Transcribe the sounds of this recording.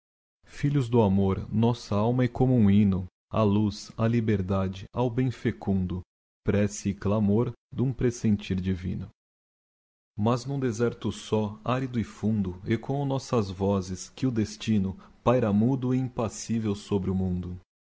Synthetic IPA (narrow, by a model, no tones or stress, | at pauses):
fiʎʊzd̪ʊamoɾnɔsɐawmɐɪkomʊũinʊ | ɐ̰luzɐlibeɾd̪ad͡ʒɪawbẽj̃fekũnd̪ʊ | pɾɛsɪːklamoɾd̪ũpɾesẽnt͡ʃiɾd͡ʒivḭ̃nʊ | mɐznũd̪ezɛɾt̪ʊsɔaɾid̪ʊɪfũnd̪ʊekõw̃nɔsɐzvɔzɪskɪʊd̪est͡ʃinʊpajɾamud̪ʊɪĩpasivewsobɾɪʊmũnd̪ʊ